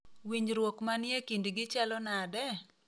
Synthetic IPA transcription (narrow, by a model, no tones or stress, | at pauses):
wiɲɾwokmanjekindɡɪt͡ʃalɔnadɛ